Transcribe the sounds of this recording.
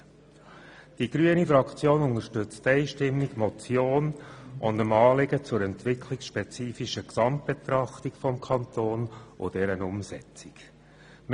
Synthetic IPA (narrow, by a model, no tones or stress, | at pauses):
d̥iɡ̥ɾyənifɾɑkt͡sjoːnʊnəɾʃtʏt͡st̪ɛɪʃtɪmːikmɔt͡sjoːnʔʊndəmɑːlɪɡət͡sʊɾɛnt̪ʋɪkʰlɪksʃpɛt͡siːfiʃəksɑmt̚b̥et̪ɾɑχtikfɔmkʰɑnt̪oːnʔʊ̰d̥ɛɾənʊmsɛ̰t͡siɡ | m